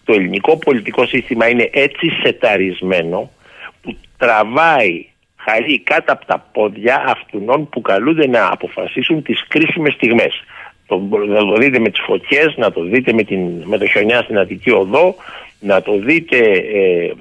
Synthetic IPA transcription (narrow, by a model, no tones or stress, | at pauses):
t̪o̞eliniko̞po̞lit̪iko̞sist̪imɐine̞ʔe̞t͡sise̞t̪ɐɾizme̞no̞ | put̪ɾɐvɐi | xɐʎikɐt̪ɐpo̥t̪ɐpo̞ðʝɐʔɐft̪uno̞npukɐlund̪e̞nɐɐ̰po̞fɐsisunt̪iskɾisime̞st̪iɣme̞st̪onɐt̪o̞ðit̪eme̞t̪i̥sfo̞çe̞znɐt̪o̞ðit̪e̞met̪inme̞t̪o̞ço̞ɲɐst̪inɐðicio̞ðo̞nɐt̪o̞ðit̪e̞